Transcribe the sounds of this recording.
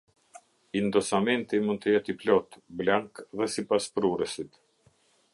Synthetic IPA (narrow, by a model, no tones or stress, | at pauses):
ind̪ɔsamɛnt̪imund̪̚t̪əjɛt̪iplɔt̪blaŋkðɛsipaspɾuɾəsit̪